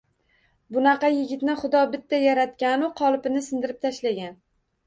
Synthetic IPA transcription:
bʊnɑqɑjɪɡʲɪt̪nɪχʊd̪ɒbɪt̪ːajaɾat̪̚kʲanʊqʰɒlˠpɪnɪsɪnd̪ɪɾɪp̚t̪ʰaʃlaɡʲan

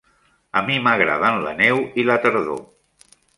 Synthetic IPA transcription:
əmiməɣɾa̰ðanlə̰nɛwilət̪əɾðo̰

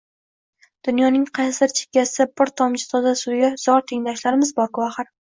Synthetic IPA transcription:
d̪̥ʊnjɒnɪŋqʰɑjsɪɾt͡ʃʰe̥kʲːasɪbɪɾt̪ʰɒmt͡ʃɪ̥t̪ʰɒd̪asʊɡʲaz̥ɒɾt̪ʰeŋlaɪʃlaɾɪmɪzbɒɾkʊwaχɪɾ

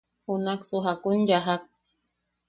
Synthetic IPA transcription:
unaksuɦakunjaɦak̚

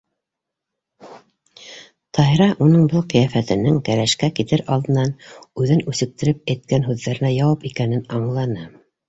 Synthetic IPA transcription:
t̪ʰɑjɾɑʔunɤɴbɤlˠqɤ̆jæfæt̪ɘ̆nɘŋkæɾæʃkækit̪ɘɾʔɑlˠd̪ɤ̆nɑnʉðɘnʉsɘ̆k̚t̪ɘ̆ɾɘp̚æjt̪̚kænɦʉðːæɾɘ̆næjɑwɑpikænɘnɑɴlˠɑnɤ

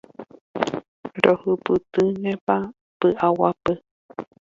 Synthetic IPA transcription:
ɾohɨpɨt̪ɨɲẽpa | pɨʔawapɨ

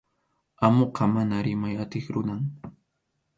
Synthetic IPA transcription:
amoqɑmanaɾɪmajat̪ɪχɾʊnaŋ

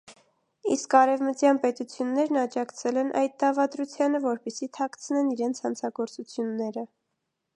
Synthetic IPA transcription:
iskɑɾɛvmət͡sjɑnpɛt̪ut͡sʰjunːɛɾnɑd͡ʒɑkʰt͡sʰɛlɛnʔɑ̰jd̪̚t̪ɑvɑt̪ɾut͡sʰjɑnəvɔɾpɛsit̪ʰɑkt͡sʰənɛniɾɛnt͡sʰhɑnt͡sʰɑɡɔɾt͡sut͡sʰjunːɛɾə

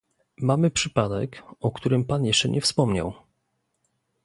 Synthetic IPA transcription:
mamɘpʂɘpad̪ɛ̰kɔkt̪uɾɘmpanjɛʂt͡ʂɛ̰ɲʔɛfspɔmɲa̰w

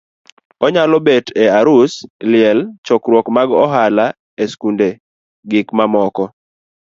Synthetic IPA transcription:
ɔɲalɔbeteaɾuslɪɛlt͡ʃɔkɾwɔkmaɡɔɦala | eskunde | ɡɪkmamɔkɔ

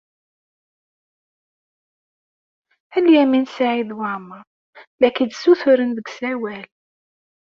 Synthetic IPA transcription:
æljæminsaʕiðwaʕməɾ | lækid̪suθʊɾənðəɡsæwæl

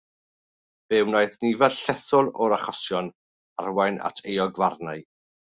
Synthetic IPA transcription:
b̥ɛwnajðnivɛdɬɛθʊlˠɔɾaχɔsjɔn | arwajna̰tʰejɔɡvarnaj

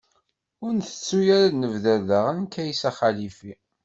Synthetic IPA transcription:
ʊɾnθə̥t͡sːujæɾanəvðæðəʁənkæjsæχalifi

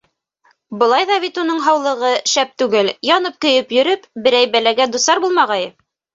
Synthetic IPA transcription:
bɤ̆lˠɑjðɑβit̪unɤɴɦɑwlˠɤ̆ʁɤʃæp̚t̪ʉɡɘljɑnɤp̚kɵ̆jɘpjɵ̆ɾɵpbɘ̆ɾæjbælæɡæd̪usɑɾbulˠmɑʁɑjɤ

